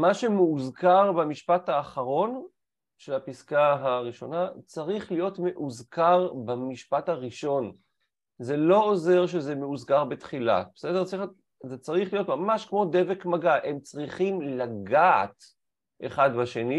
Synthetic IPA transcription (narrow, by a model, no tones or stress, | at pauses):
maʃe̞meuzkaʁbamiʃpathaːχaʁo̞n | ʃe̞lapiskaɦaʁiʃo̞nat͡saʁiχlijo̞tme̞ʔuzkaʁbamiʃpathaʁiʃo̞n | ze̞lo̞oze̞ʁʃ̬ezemeuzkaʁbetχila̰bese̞deʁt͡si | zet͡saʁiχlijo̞tmamaʃkmo̞de̞vekmaɡaʔe̞mt͡sʁiχimlaɡa̰t | ʔḛχadbaʃe̞ni